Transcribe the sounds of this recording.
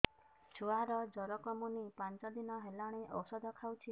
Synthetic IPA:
t͡ʃʰuaɾɔd͡ʒɔɾɔkɔmunipant͡ʃɔd̪inɔɦelaɽ̃eʔɔ̰wsɔd̪ʱɔkʰawt͡ʃʰi

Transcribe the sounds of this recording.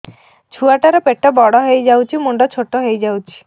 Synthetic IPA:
t͡ʃʰuaʈaɾɔpeʈɔbɔɽɔɦejd͡ʒawt͡ʃʰimuɳɖɔt͡ʃʰoʈɔɦejd͡ʒawt͡ʃʰi̥

